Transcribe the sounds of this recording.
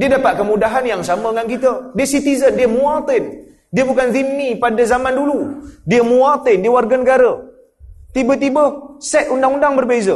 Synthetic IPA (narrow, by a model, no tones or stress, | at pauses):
diədapat̪̚kəmudaɦanjaŋsaməəŋankit̪ədiəsit̪izəndiəmuat̪ɪn | diəbukanzimːipadəzamanduludiəmuat̪ɪndiəwarɡanəɡaɾə | t̪ibət̪̬ibəsɛt̪̚undaŋundaŋbərbezə